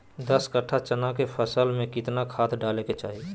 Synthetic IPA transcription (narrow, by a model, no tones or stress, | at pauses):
d̪əskəʈʰːat͡ʃənakepʰəsəlmẽkɪt̪nakʰaːt̪ʰɖaːleket͡ʃaːɦi